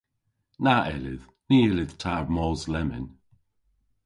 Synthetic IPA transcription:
naʔɛlɪð | niːlɪðtʰaɹmɔzlɛmɪ̰n

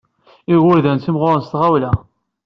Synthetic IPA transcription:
iɣʊɾðænθimʁoɾˤnst̪ʁawlæ

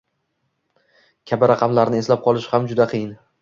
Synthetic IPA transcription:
kʲʰabɪɾɑqʰɑmlaɾnɪe̞slap̚qʰɒlˠɪʃhamd͡ʒʊd̪aqʰɨjɪn

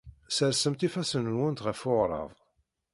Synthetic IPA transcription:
səɾsəmt̪ifæsənnwənt̪ʁəfʊʁɾˤɑ̰ðˤ

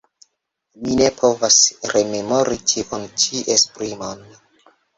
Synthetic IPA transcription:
mine̞pʰo̞vasɾe̞me̞mo̞ɾit͡ʃiʔont͡ʃiʔespɾimon

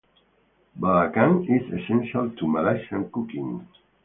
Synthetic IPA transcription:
balakãnizesɛ̃nʃaltʰumalaʃãnkukḭ̃ŋ

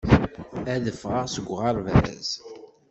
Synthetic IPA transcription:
æðəfʁəʁsəɡʷʁɑɾvæ̰z̥

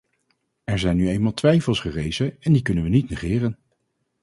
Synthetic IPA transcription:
ɛɹzɛjnːyejnmaːlˠtʋɛjfəlˠsχərejzəɛndikɵnənʋənitnəχɪːrən

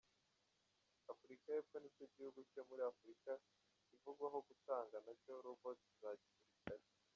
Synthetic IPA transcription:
afuɾikajepfonit͡ʃoɟihuɡuco̞muɾiafuɾika | ivuɡwaɦo̞ɡutaːŋɡanacoɾuvotizaːɟimuɾitaɾi

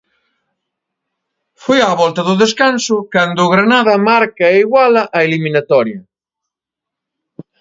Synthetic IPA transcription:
fujaβɔlt̪ɐðʊðeskansʊkand̪ʊːɣɾanaðɐmaɾkɐeiɣwalɐʔɐelimĩnat̪ɔɾjɐ

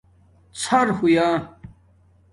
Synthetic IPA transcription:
t͡sʰɐɾhujaː

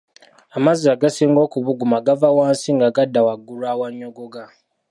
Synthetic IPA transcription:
amaziaɡasiːŋɡo̞ːkuβuɡumaɡavawaːnsiŋɡaɡadːawaɡulawaɲːoɡoɡa

